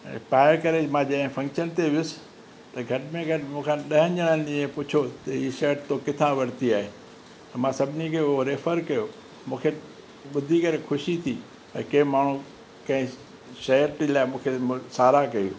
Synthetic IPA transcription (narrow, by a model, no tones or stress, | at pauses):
paːɪɾkɐɾemãːd͡ʑɐɪ̃fʰɐ̃ŋkʃənt̪eʋɪjʊsɪ̥ | t̪ɐɡʱɐʈɪmẽɡʱɐʈɪmũːkʰãːɗɐɦə̃ɲd͡ʑəɽ̃ənd̪ĩẽpʊt͡ɕʰot̪ɐɦiːʃɐəʈt̪okɪt̪ʰãʋɐɾt̪iaːɦeː | t̪ɐmãsɐbʱɪnikʰeʊɦoɾeːfəɾkɐjo | mũːkʰe | ɓʊd̪ʱikɐɾekʰʊʃit̪ʰi | t̪ɐkẽmaːɳ̤ũ | kɐ̃ɦɪ̃ | ʃɐəʈilaːɪmũːkʰemsaːɾakɐjṵː